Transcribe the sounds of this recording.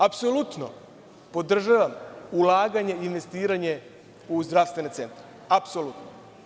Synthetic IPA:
apsolut̪no̰ | po̞d̪r̩ʒaʋamulaːɡaɲeinʋe̞st̪iːɾaɲe̞ | uzd̪ɾaʋst̪ʋe̞net̪se̞nt̪ɾe | apsolut̪no

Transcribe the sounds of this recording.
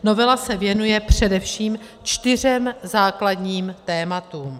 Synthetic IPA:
no̞vɛlasɛvjɛnujɛpr̝̥ɛdɛfʃiːm | t͡ʃt̪ɪr̝ɛmzaːkladɲiːmt̪ɛːmat̪uːm

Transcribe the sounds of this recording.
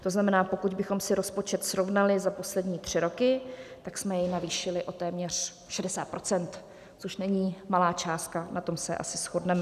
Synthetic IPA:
t̪o̞znamɛnaːpo̞kuɟbɪxo̞msɪɾo̞spo̞t͡ʃɛt̪sɾo̞vnalɪzapo̞slɛdɲiːt̪r̝̥ɪɾo̞kɪt̪aksmɛjɛjnaviːʃɪlɪʔo̞t̪ɛːmɲɛr̝̥ | ʃɛdɛsaːt̪̚pɾo̞t͡sɛnt̪ | t͡soʃnɛɲiːmalaːt͡ʃaːst̪̚kanat̪o̞msɛʔa̰sɪsxodnɛmɛ

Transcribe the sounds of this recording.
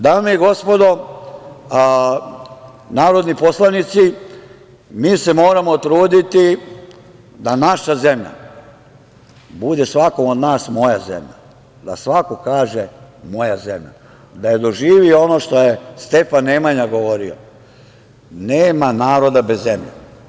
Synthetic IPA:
d̪aːmeiɡo̞spo̞d̪o̞ | naːɾo̞d̪nipo̞slˠanit̪si | miːse̞mo̞ːɾamo̞t̪ɾuːd̪it̪i | d̪anaʃaze̞mʎa̰ | bud̪e̞sʋako̞mod̪naːsmo̞jazḛmʎa̰ | d̪a̰sʋako̞kaːʒemo̞jazemʎa̰ | d̪aje̞d̪o̞ʒiːʋioo̞noʃt̪o̞jest̪e̞fanːeːmaɲaɡo̞ʋo̞ɾio̰ | neːmanaːɾo̞d̪abezːemʎḛ

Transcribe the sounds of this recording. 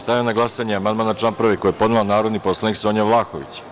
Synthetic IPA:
st̪ajinaɡlˠasaɲeamand̪maːnat͡ʃlampɾaʋeko̞jepo̞d̪nelanaːɾo̞d̪nipo̞slˠaniksoːɲaʋlˠaːxoʋḭt͡ɕ

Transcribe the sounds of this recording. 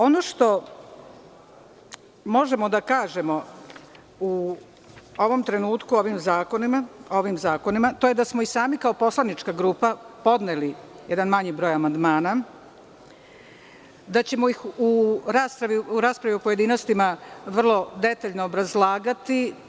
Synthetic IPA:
o̞no̞ʃt̪o̞ | mo̞ʒe̞mo̞d̪akaːʒe̞mo̞ | u | o̞ʋo̞mt̪ɾe̞nuːt̪kuo̞ʋimzaːkonimao̞ʋimzaːko̞nimat̪o̞jed̪asmoisaːmikao̞po̞slˠanit͡ʃkaɡɾuːpapo̞d̪neli | jɛd̪anmaɲibɾo̞ːjamand̪maːna | d̪at͡ɕe̞moixuɾaːspɾaʋiuɾaːspɾaʋiopoje̞d̪ino̞st̪imaʋr̩lˠo̞d̪e̞t̪aʎnoːbɾazlˠaːɡat̪i

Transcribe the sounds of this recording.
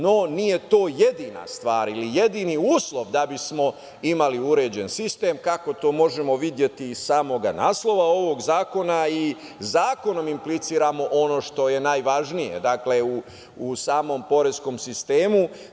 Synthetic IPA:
no̞nije̞t̪oːje̞d̪iːna̰st̪ʋaːɾilije̞d̪iniuːslˠo̞ʋd̪abismo̞ | imaliuɾe̞ːd͡ʑensist̪e̞ːmkako̞t̪o̞ːmo̞ʒemo̞ʋid̪je̞t̪iːsaːmo̞ɡana̰ːslˠo̞ʋao̞ʋo̞ɡzaːko̞nai | zaːko̞no̞mimplit̪siːɾamo̞ʔo̞no̞ːʃt̪o̞je̞naːjʋaʒnijḛd̪akle̞uː | saːmo̞mpo̞ɾesko̞msist̪e̞ːmu

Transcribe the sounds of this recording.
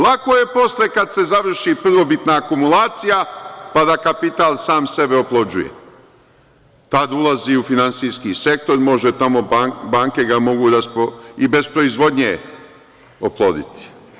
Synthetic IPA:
lˠakoje̞po̞slekad̪se̞zaʋr̩ʃipr̩ʋo̞bit̪naːkumulaːt̪sijapad̪akapit̪aːlsaːmse̞be̞oplˠo̞d͡ʑujḛ | t̪ad̪ulaziufinansiskise̞k̚t̪o̞ɾmo̞ʒe̞t̪amo̞abaːŋke̞ɡamo̞ɡuɾaspoibe̞spɾo̞izʋo̞d̪ɲḛ | oplˠoːd̪ḭt̪i̥

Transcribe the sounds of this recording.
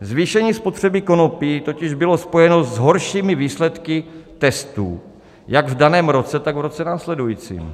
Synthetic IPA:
zviːʃɛɲiːspo̞t̪r̝̥ɛbɪko̞nopit̪o̞cɪʒbɪlo̞spo̞jɛno̞zɦo̞ɾʃiːmɪviːslɛt̪kɪt̪ɛst̪ṵː | jaɡvdanɛːmɾo̞t͡sɛt̪aɡvɾo̞t͡sɛnaːslɛdujiːt͡sḭːm

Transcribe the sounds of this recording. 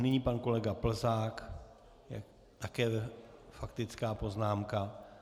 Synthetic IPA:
nɪɲipanko̞lɛɡapl̩zaːk | jɛ̰ | t̪akɛːfakt̪ɪt͡skaːpo̞znaːmka

